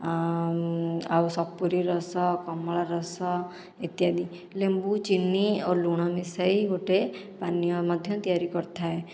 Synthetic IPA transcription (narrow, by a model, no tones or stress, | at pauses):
awsɔpːuɾiɾɔsɔkɔmɭaɾɔsɔ | it̪jad̪i | lembut͡ʃinːioluɽ̃ɔmisaiboʈepanijɔmɔd̪ʱjɔt̪ijaɾikɔɾt̪ʰaɦe